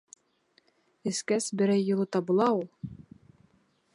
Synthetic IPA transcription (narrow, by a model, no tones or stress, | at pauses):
ɘ̆skæsbɘ̆ɾæjːŭlˠɤt̪ɑbŭlˠɑulˠ